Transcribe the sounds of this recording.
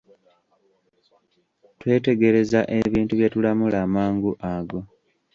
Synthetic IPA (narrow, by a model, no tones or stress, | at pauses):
twe̞ːte̞ɡe̞ɾe̞zaʔe̞βiːntuβjetulamulaːmaːŋɡuʔaɡo̞